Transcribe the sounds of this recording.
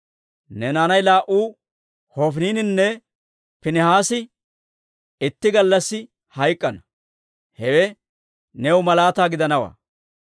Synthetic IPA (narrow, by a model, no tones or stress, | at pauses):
nɛnaːnɐjlaːʔuː | hɔfniːnɪnːɛ | pɪnɪhaːsɪ | ɪt̪ːɪɡɐlːɐsːɪ | hɐjkʼːɐnɐ | hɛwɛ | nɛwmɐlaːt̪aːɡɪd̪ɐnɐwa̰ː